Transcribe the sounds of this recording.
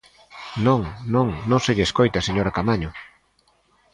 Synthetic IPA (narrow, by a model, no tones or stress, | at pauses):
nõŋnõŋnõŋseʎeːskojt̪aseɲoɾakamaɲʊ